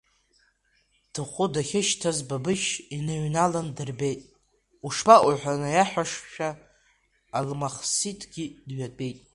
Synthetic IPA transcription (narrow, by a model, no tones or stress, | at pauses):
d̥ɨχʷʊdaχʲɪʃtʰazbabɨʃinɨɥnalandɨrbe̞jtʼ | uʂbaʔʊħʷanɨjaħʷᶣaʂʃᶣaː | lmaχsitʰɡʲidɥadʼe̞jtʼ